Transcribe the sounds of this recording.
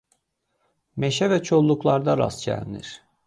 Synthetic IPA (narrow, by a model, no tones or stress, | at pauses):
meʃɛvɛt͡ʃʰo̞lˠːuklˠaɾd̪aɾa̰sɟæ̰lʲnḭɾ̥